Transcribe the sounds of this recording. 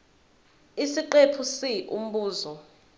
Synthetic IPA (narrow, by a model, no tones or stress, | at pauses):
isiǃepʰusiʔṵm̩ɓuːzɔ